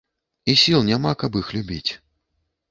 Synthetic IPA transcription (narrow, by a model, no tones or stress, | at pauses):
isʲilˠnʲamakabixlʲubʲit͡sʲ